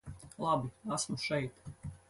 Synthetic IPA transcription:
lˠɑbiasmuʃɛjt̪

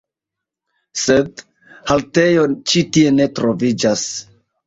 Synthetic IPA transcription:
sed | halte̞jo̞t͡ʃitie̞ne̞tɾovid͡ʒas

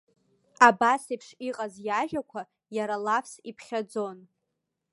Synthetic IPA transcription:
abasipʰʂiqʼazjaʒᶣakʷʰa | jaɾalapʰsipʰχʲad͡zo̞n

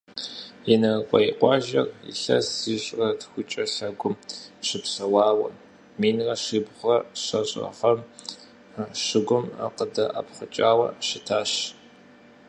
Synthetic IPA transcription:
jɛnɐqʷʼɔjiqʷɑːʒɐrḭɬɐsiɕʼrɐtxʷʊt͡ʃʼɐɬɐɡʷʊmɕɪpɕɐwɑːwɐ̰ | miːnrɐʂibʁʷɐɕɐɕʼɐ̰fɐm | ʂɪɡʷʊma̰qədɐʔapχʷʊt͡ʃʼaːwɐ̰ʃɪtʰaːɕ

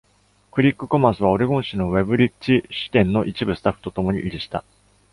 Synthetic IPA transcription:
kɯ̟ɾʲikːɯ̟komãsɨβ̞ao̞ɾeɡõ̞ɰ̃ɕino̞βe̞bɯ̟ɾʲit͡ɕːiɕɨ̥t̪ẽ̞nːo̞ʔit͡ɕibɯ̟sɨ̥t̪aɸːɯ̥t̪ot̪o̞mo̞ɲ̟ḭʔiɾʲiɕi̥t̪a̰

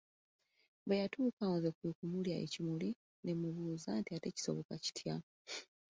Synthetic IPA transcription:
βejatuːkawozekwekumuljaḛcimuli | nemuβuːzantiate̞ci̥so̞̰βo̞kaci̥tʰja

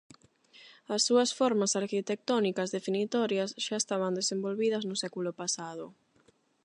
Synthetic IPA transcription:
ɐsːuɐsfɔɾmasaɾkit̪ek̚t̪ɔnikɐzðefinit̪ɔɾjɐsʃaest̪aβɐnd̪esembolβið̞ɐznʊsɛkulʊpasaðʊ

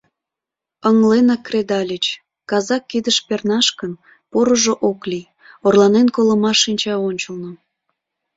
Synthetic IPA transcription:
əŋlenɑkːred̪ɑlʲət͡ɕ | kɑzɑkːid̪əʃpernɑʃkən | poɾəʒoʔoklij | orlɑnenkoləmɑʃːinʲt͡ɕɑonʲt͡ɕəlˠno

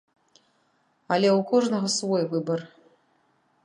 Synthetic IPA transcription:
alʲɛwkʰɔʐnɐɣɐsvɔjvɨbɐr

